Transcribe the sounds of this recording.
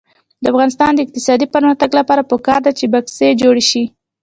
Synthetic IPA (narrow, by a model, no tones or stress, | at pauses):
d̪əafɣɑnɪst̪ɑnd̪əɪq̚t̪ɪsɑd̪ipəɾmaxt̪aɡlapɑɾapəkɑɾd̪at͡ʃebaksed͡ʒoɽeʃi